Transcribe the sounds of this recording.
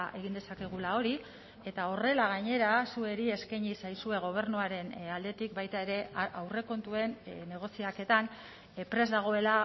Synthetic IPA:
ʔe̞ɣind̪e̞sake̞ɣ̞ulao̞ɾi | e̞t̪ao̞re̞laɣ̞aɲe̞ɾasue̞ɾie̞skaɲisajsue̞ɣ̞o̞β̞e̞ɾnuaɾe̞nald̪e̞t̪ikbajt̪aeɾe̞ʔawre̞ko̞nt̪ue̞nne̞ɣ̞o̞siake̞t̪an | pɾe̞zd̪aɣ̞o̞e̞la

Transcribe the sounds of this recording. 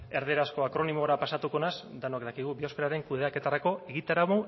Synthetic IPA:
e̞ɾðeɾasko̞akɾo̞nimoɾapasat̪uko̞nasd̪anoakd̪akiɣ̞ubio̞skeɾaɾe̞ŋkuðe̞ake̞t̪aɾako̞e̞ɣit̪aɾaβo

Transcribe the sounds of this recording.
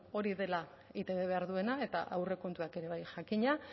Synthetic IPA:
o̞ɾiðe̞la | it̪e̞βeβ̞e̞aɾðue̞nae̞t̪a̰ʔa̰wre̞ko̞nt̪uake̞ɾe̞β̞ajʝakiɲa

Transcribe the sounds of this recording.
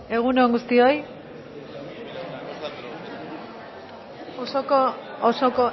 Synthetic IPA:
e̞ɣ̞uneoŋɡust̪io̞j | osokoosoko

